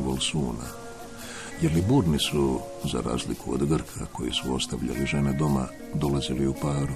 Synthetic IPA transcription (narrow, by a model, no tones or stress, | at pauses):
bolsuːna | jeɾlibuɾnisu | za̰ɾa̰ːzlikuo̰d̪ɡr̩kʰakʰo̞jisuo̞st̪aʋʎa̰liʒe̞ned̪o̞ma̰ | d̪o̞laziliupaːɾu